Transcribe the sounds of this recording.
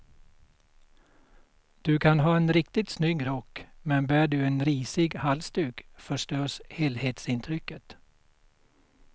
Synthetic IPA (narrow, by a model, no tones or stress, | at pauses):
d̪̥ɵkʰanɦɑːenɾɪkt̪ɪt̪snyɡɾɔkːmɛnbæːɖɵeːnɾiːsɪɡhalst̪ʉːɡfœʂʈøːsheːlheːt̪sɪnt̪ʰɾʏkːət̪